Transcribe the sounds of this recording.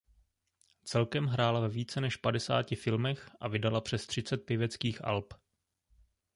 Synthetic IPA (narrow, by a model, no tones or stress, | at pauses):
t͡sɛlkɛmɦɾaːlavɛviːt͡sɛnɛʃpadɛsa̰ːcɪfɪlmɛxʔa̰vɪdalapr̝̥ɛst̪r̥ɪt͡sɛt̪̚pjɪvɛt͡skiːxʔa̰lp